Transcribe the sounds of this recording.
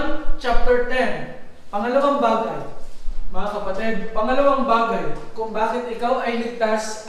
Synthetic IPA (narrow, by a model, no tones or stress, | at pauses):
nt͡ʃap̚t̪ɛɹt̪ɛn | pɐŋɐlɐwaŋbaːɡɐjmɐŋakɐpɐt̪ɛd̪̚pɐŋɐlɐwaŋbaːɡɐjkʊŋbaːkɪt̪̚ɪkawʔɐjlɪɡ̚t̪as